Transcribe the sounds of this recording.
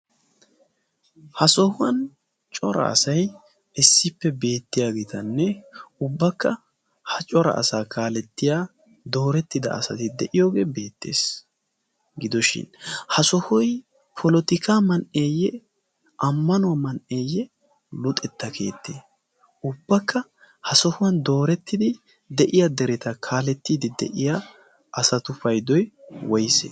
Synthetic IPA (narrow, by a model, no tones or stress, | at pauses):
hɐsɔhʊwɐn | t͡ʃʼɔɾɐ̰ɐ̰sɐj | ɪsːɪpːɛbe̞ːt̪ːɪjaːɡeːt̪ɐnːɛʊbːɐkːɐ | hɐt͡ʃʼɔɾɐ̰ʔɐ̰saːkʰaːlɛt̪ːɪjaː | d̪o̞ːɾɛt̪ːɪd̪ɐ̰ɐsɐ̰t̪ɪd̪ɛʔɪjo̞ːɡeːbe̞ːt̪ːe̞̰ːs | ɡɪd̪ɔʃɪ̰nhɐsɔhɔj | pʰɔlɔt̪ɪkaːmɐnʔeːjɛ | ʔɐmːɐnʊwɐmɐnʔeːjːɛ | lʊt̪ʼɛt̪ːɐkʰe̞ːt̪ʰːeː | ʊbːɐkːɐ | hɐsɔhʊwɐnd̪o̞ːɾɛt̪ːɪd̪ɪ | d̪ɛʔɪjad̪ɛɾɛt̪ɐkʰaːlɛt̪ːiːd̪ɪd̪ɛ̰ʔɪja | ʔɐsɐt̪ʊfɐjd̪ɔjwɔjsḛ